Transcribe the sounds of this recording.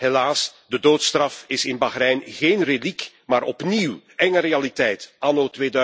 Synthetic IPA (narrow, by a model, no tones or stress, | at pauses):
helaːsdədoːtst̪rɑfɪsɪnbaɣrɛjnɣeːnrelik | maːɾʔɔpniwɛŋəɾealitɛjtʔanoːtʋeːdœ